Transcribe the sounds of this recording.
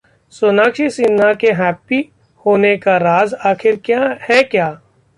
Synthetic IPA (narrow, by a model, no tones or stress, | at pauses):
sonaːkʃisɪnːakeɦɛːpːi | hoːnekaɾaːzaːxʰɪɾkjahɛkjaː